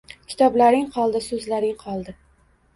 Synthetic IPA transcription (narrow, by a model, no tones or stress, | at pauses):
kʲʰɪ̥t̪ʰɒblaɾɪŋqʰɒlˠd̪ɪsɵzlaɾɪŋqʰɒlˠd̪ɪ